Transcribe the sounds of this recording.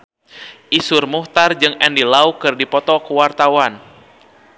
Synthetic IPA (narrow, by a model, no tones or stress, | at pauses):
ʔisʊrmuht̪ard͡ʒɨŋɛndilaukɨrdipɔt̪ɔkuwart̪awan